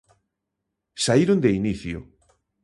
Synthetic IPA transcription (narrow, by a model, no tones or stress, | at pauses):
saiɾond̪einiθjʊ̰